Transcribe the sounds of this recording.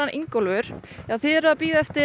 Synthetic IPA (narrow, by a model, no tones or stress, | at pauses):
anʔḭŋkɔlvʏɾ̥aðθɪðɛɾaðapiːðɛft̪ɪ